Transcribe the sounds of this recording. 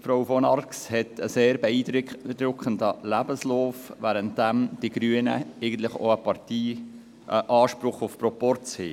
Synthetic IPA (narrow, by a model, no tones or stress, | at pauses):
fɾowfɔnɑɾkshɛtʰəseːɾbɛiːdd̥̪ɾʊkʰχəndəlæbəslɔːfʋæːɾənt̚d̥æmd̥iɡ̥ɾyənə̰ɛɪɡən̩t̪lɪχo̰əpɑɾtiː | əʔɑːʃpɾʊχʊfpɾɔpɔɾt͡shḛː